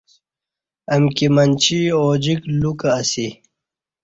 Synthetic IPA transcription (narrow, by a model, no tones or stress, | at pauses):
ɐmkimɐnt͡ɕioːd͡ʑiklukəsi